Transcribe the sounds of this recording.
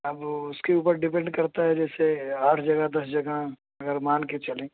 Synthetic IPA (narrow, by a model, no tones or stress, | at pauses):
ɐbʊskeuːpəɾɖɪp̬ɛ̃ɳɖkɐɾt̪aɦɛd͡ʒɛːseaːʈʰd͡ʒɐɡad̪ɐsd͡ʒɐɡa | ɐɡəɾmaːnket͡ʃɐlẽː